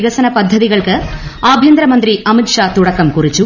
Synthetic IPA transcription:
ɣɐsɐnɐpɐd̪ʱːɐðɪɣɐɭkɯaːbʱjɐnd̪ɾɐmɐnd̪ɾiʔɐmɪʈʂaːt̪ʊɽɐkːɐmkʊrɪt͡ʃːu

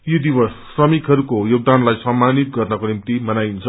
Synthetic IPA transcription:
jod̪iβʌsːrʌmikɦʌɾukojoɡ̚d̪anlajsʌmːanit̪̚ɡʌrnʌkonimt̪imʌnajnt͡sʰʌ

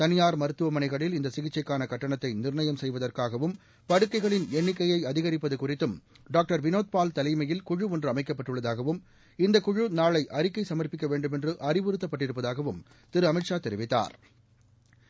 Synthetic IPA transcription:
t̪ɐnɪjaːɾmɐɾɯt̪ːɯʋɐmɐnɐɪɣɐɭɪlɪnd̪ɐsɪɣɪt͡ʃːɐɪkːaːnɐkɐʈːɐɳɐt̪ːɐɪnɪɾɳɐjɐmsɛjʋɐðɐrkaːɣɐʋɯm | pɐɽɯkːɐɪɣɐɭɪnɛɳːɪkːɐjɐɪɐðɪɣɐɾɪpːɐðɯkʊrɪt̪ːɯm | ɖaːk̚ʈɐɾʋɪnoːt̪̚paːlt̪ɐlɐɪmɐjɪlkʊɻɯɔndrɯɐmɐɪkːɐpːɐʈːɯɭːɐðaːɣɐʋɯm | ɪnd̪ɐkʊɻɯnaːɭɐɪʔɐɾɪkːɐɪsɐmɐrpɪkːɐʋeːɳɖɯmɛndrɯʔɐrɪʋɪɾɯt̪ːɐpːɐʈːɪɾɯpːɐðaːɣɐʋɯm | t̪ɪɾɯɐmɐɪʈʂaːt̪ɛɾɪʋɪt̪ːa̰ːɾ

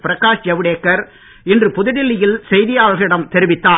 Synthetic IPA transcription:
pɪɾɐkːaːʂd͡ʒɐʋɪɽeːkːɐɾ | ɪndrɯpʊðɪɽɪlːɪjɪlsɛjðɪjaːɭɣɪɽɐmt̪ɛɾɪʋɪt̪ːaː

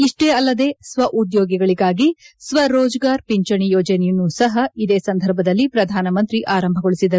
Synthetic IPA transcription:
iʂʈeːɐlːɐd̪e̞ːsʋɐʔud̪joːɡɛɡɐɭiɡaːɡisʋɐɾoːd͡ʒɡaːɾpiɲt͡ʃɐɳijoːd͡ʒɐnɛjɐnːusɐɦɐid̪e̞ːsɐnd̪ʱɐɾbʱɐd̪ɐlːipɾɐd̪ʱaːnɐmɐnt̪ɾiʔaːɾɐmbʱɐɡoɭisid̪ɐɾu

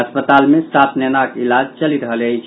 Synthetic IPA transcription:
əspət̪almesat̪ʰnɛnakilad͡ʒt͡ʃəliɾəɦələjt͡ʃʰ

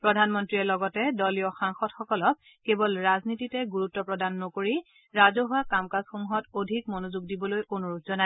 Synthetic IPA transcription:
pɹɔdʱanmɔntɹiɛlɔɡɔtɛdɔlijɔxaŋxɔtxɔkɔlɔk̚ | kːebɔlɹaznititɛɡuɹutːɔpɹɔdanːokoɹi | ɹazɔɦʊakamkasxoŋɦɔtodʱikmɔnozuɡ̚dibɔlojkonuɹutz̥ɔna

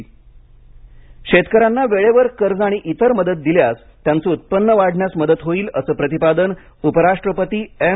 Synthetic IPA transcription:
ɕet̪kəɾanːaʋeɭeʋəɾkəɾd͡zaɽ̃iʔit̪əɾməd̪ət̪̚d̪iljas | t̪jant͡səut̪̚pənːəʋaɽ̤ʱɳjasməd̪ət̪ɦoiːləsəːpɾət̪ipad̪ən | upəɾaʂʈɾəpət̪iːe

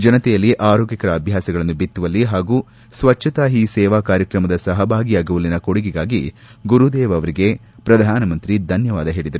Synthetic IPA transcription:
d͡ʒɐnɐt̪ɛjɐlːiʔaːɾoːɡikɐɾɐːbʱjaːsɐɡɐɭɐnːubit̪ːuʋɐlːiɦaːɡuː | sʋɐt͡ʃʰːɐt̪aːɦisɛːʋaːkaːɾjɐkɾɐmɐd̪ɐsɐɦɐbʱaːɡijaːɡuʋulːinɐkoɽiɡiɡaːɡi | ɡuɾud̪eːʋɐʋɐɾiɡe̞ | pɾɐd̪ʱaːnɐmɐnt̪ɾid̪ʱɐnjɐʋaːd̪ɐɦe̞ːɭid̪ɐɾu

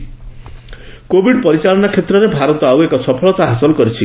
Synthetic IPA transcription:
kobʱiɖpɔɾit͡ʃalɔnakʰet̪ɾɔɾebʱaɾɔt̪ɔawekɔsɔpʰɔlɔt̪aɦasɔlɔkɔɾit͡ʃʰi

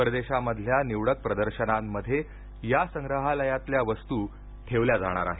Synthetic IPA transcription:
əɾd̪eɕaməd̪ʱljaniʋɽək̚pɾəd̪əɾɕənamːəd̪ʱːje | jasəŋɡɾəɦaləjat̪ljaʋəst̪uː | ʈʰeʋljad͡zaɽ̃a̰ɾa̰ɦe

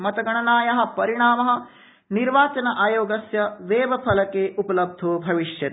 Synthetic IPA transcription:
mɐt̪ɐɡɐɳɐnaːjɐɦɐ̆pɐɾiɳaːmɐɦɐ̆ | niɾʋaːt͡ʃɐnɐʔaːjoːɡɐsjɐʋeːʋɐpʰɐlɐkeːʔupɐlɐb̚d̪ʱoːbʱɐʋiʃjɐ

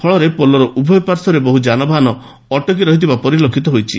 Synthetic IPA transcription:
kʰɔɭɔɾepolɔɾɔʔubʱɔjɔpaɾsɔɾebɔɦud͡ʒanɔbʱanɔ | ɔʈɔkiɾɔɦit̪ʰibapɔɾilokʰit̪ɔɦojt͡ʃʰḭ

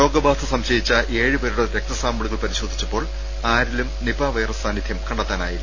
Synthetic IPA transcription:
ɾo̞ːɡɐbaːsɐsɐmɕɐjit͡ɕːɐʔeːɻɨbɐɾuɽɐɾek̚t̪ɐsaːmuɭuɣɐɭpɐɾiɕo̞ːd̪ʱi̥t͡ɕːɐpːo̞ːɭ | aːɾilumnibaːʋɐjɐrɐsaːnːid̪ʱjɐmkɐɳɖɐt̪ːaːnaːji

